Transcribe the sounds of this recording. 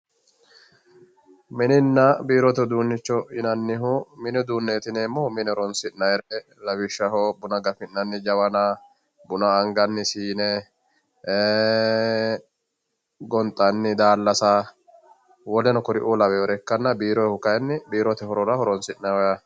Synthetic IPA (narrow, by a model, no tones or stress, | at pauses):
mɪnɪnːɐbiːɾɔt̪ɛd̪uːnːɪt͡ʃːɔɪnɐnːɪɦʊmɪnɛd̪uːnːeːt̪ɪneːmːɔmɪnɛɔɾɔnsɪnnɐjɛɾɛ | lɐwɪʃːɐɦɔbʊnɐɡɐfɪnːɐnːɪd͡ʒɐwɐna | bʊnɐːŋɡɐnːɪsiːnɛ | ɡɔnt̪ʼːɐnːɪd̪aːlːɐsa | wɔlɛnɔkɔɾɪʔuːlɐwɛɔɾɛkːɐnːɐbiːɾɔjhʊkɐjɛnːɪbiːɾɔt̪ɛhɔɾɔɾɐhɔɾɔnsɪnːɐwɐjɐ